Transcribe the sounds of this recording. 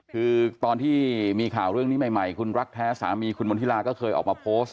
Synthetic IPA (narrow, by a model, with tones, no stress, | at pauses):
kʰɯː˧t̪ɔː˧nt̪ʰiː˥˩miː˧kʰaː˨˩wɾɯ˥˩əŋni˦˥ma˨˩jma˨˩jkʰu˧nɾa˦˥k̚t̪ʰɛː˦˥sa̰ː˩˦miː˧kʰu˧nmbo˧niː˦˥˩laː˧kɔː˥˩kʰɤː˧jʔɔ̰ː˨˩k̚maː˧pʰoː˦˥s